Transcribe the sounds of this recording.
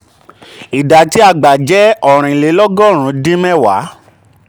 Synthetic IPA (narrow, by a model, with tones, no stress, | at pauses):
i˨da˨ti˦a˧ɡ͡ba˨d͡ʒɛ˨˦ɔ˨ɾ̃ĩ˨le˨˦lɔ˦ɡɔ˦˨ɾ̃ũ˨˧˦dĩ˦mɛ̃˦˨wa̰˨˦